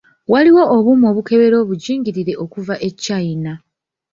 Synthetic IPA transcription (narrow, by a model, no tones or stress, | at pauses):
waliwo̞ʔːβumo̞βuke̞βe̞ɾo̞ːβuɟiːŋɡiɾiɾe̞ʔo̞kuvaʔe̞cːaina